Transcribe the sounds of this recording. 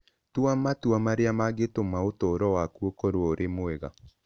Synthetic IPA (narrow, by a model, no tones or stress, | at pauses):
twamatwamaɾeamaɡetomaotoːɾɔwakuokoɾwɔoɾʔemoɛɣa̰